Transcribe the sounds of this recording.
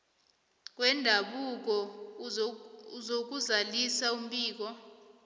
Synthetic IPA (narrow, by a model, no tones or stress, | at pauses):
k̬ʼwɛndʱaɓuk̬ɔ | uzok̬uzalisaum̩ɓiːk̬ɔ